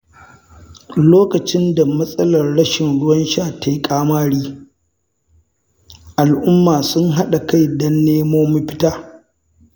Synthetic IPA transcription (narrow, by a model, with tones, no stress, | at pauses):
loː˦kɐ˨t͡ʃɪ˦nda˨mɐ˦sʼɐ˦lɐ˨rɽɐ˦ʃɪ˨nɽʊ˦wɐ˦nʃaː˦˨ta˨jkʼaː˦maː˦ɽiː˦ | ʔa˨lʔʊ˦mːaː˨sʊ˦ŋɦa˦ɗa˨ka˦˨jdɐ˦nːeː˦moː˦mu˦ɸɪ˦taː˦